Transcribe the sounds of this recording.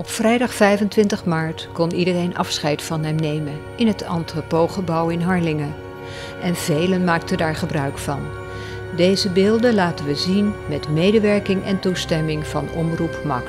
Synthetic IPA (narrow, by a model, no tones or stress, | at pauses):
ɔpfrɛjdɑχfɛjvəntʋɪntəχmaːɹtkɔnidərejnʔɑfsχɛjtfɑnɦɛmnejmən | ɪnɦətɑ̰ntropowχəbɑwɪnɦɑɹlɪŋə | ʔɛnv̥ejlənmaːk̚təndaːɹχəbrœɥkfɑn | dejzəbɪːlˠdənlaːtənʋəzinmɛtmejdəʋɛɹkɪŋɛ̰ntustɛmɪŋv̥ɑ̰nɔ̰mrupmɑ̰k